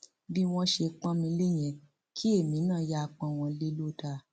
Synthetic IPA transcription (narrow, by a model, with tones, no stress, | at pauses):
bi˦w̃ɔ̃˧ʃe˧k͡pã˦mĩ˧le˦j̃ɛ̃˧ | kʰi˦e˦˨mĩ˨˦nãː˦˨˦ja˦˧k͡pɔ̃˧˨w̃ɔ̃˧le˦lo˦˨ta˧